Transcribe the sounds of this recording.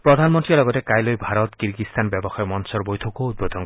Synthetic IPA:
pɾɔd̪ʱanmɔnt̪ɾilɔɡɔtekajlojbʱaɾɔt̪kiɾɡist̪ʰanbjɔbɔxajɔmɔnsɔɾbojt̪ʰɔkoud̪̚bod̪ʱɔŋ

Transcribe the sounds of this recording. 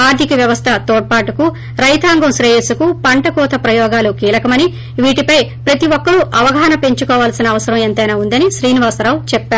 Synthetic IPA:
aːɾt̪ikɐʋjɐʋɐst̪ʰɐt̪ɔːʈ̚paːʈuku | ɾɐjt̪ʰaːŋɡɐmsɾɐjesukupɐɳʈɐkɔːt̪ʰɐpɾɐjɔːɡaːlukiːlɐkɐmɐni | ʋiːʈipɐjpɾɐt̪iʋɔkːɐɽuʔɐʋɐɡʱaːnɐpe̞ɲt͡ʃukɔːʋaːlsinɐːʋɐsɐɾɐment̪ɐjnaːund̪ɐniʃɾiːniʋaːsɐɾaːwt͡ʃɛpːaːɾu

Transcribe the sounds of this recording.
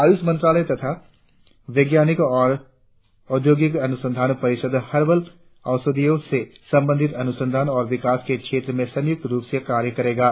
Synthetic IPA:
aːjusmɐ̃nt̪ɾaːləjt̪ɐt̪ʰa | ʋeːɡjaːnɪkɔːɾ | ʊd̪ʱjoːɡɪkɐnʊsə̃nd̪ʱaːnpɐɾɪʃəd̪ʱhɐɾbəl | ɐʊsəd̪ijõsesɐ̃mbə̃nd̪ʱɪt̪ɐnʊsə̃nd̪ʱaːnɔːɾʋɪkaːskekʃʰeːt̪ɾəmẽsɐ̃njʊk̚t̪ɾuːpsekaːɾjəkɐɾeːɡaː

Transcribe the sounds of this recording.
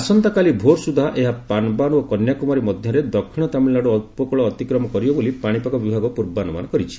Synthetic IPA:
asɔnt̪akalibʱoɾsud̪ʱaʔeɦapanbaɽ̃uokɔnjakɔmɔɾimɔd̪ʱjɔɾed̪ɔkʰːiɽ̃ɔt̪amilːaɽuɔt̪̚pɔkɔɭɔːt̪ikɾɔmɔkɔɾibɔbolipaɽ̃ipakɔbibʱaɡɔpuɾbanuma̰nɔkɔɾit͡ʃʰi̥

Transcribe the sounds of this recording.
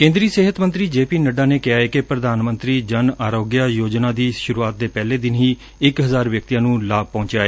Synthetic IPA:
kẽːnd̪ɾiːsɪːɦət̪mə̃nt̪ɾiːd͡ʒeːpiːnəɖaːneːkɪaːɛːkepɾəd̪aːnmənt̪ɾiːd͡ʒənaːɾoːɡjaːjoːd͡ʒnãːd̪iːʃʊɾuːaːt̪̚d̪eːpɛːleːd̪ɪnɦiː | ɪkɦəzaːɾʋjək̚t̪ijãːnũːlaːb̚pɔ̃ːɲt͡ʃaːeː

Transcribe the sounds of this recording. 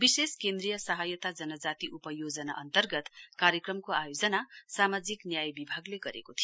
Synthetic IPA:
biseskend̪rijʌsʌɦajʌt̪ad͡zʌnʌd͡zat̪iʔupʌjod͡zʌnaʔʌnt̪ʌrɡʌt̪kaɾjʌkrʌmkoajod͡zʌnasamad͡ziknjajbibʱaɡleɡʌɾḛkot̪ʰijo

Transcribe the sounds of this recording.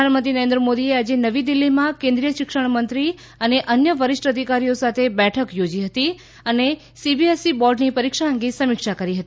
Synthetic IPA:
aɳmənt̪inəɾẽnd̪ɾəmod̪iead͡ʒenəʋid̪ilːimãkẽnd̪ɾijəʃɪkʃəɳ̃mənt̪ɾi | əneʔənjəʋəɾɪʂʈəd̪ʱikaɾijosat̪ʰebɛʈʰəkjod͡ʒiɦət̪i | əne | sibiesibɔɾɖnipəɾikʃaə̃ŋɡisəmɪkʃakəɾiɦət̪i

